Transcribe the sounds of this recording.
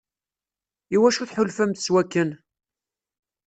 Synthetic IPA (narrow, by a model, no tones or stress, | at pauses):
iwæʃuθħʊlfæmθəswækːən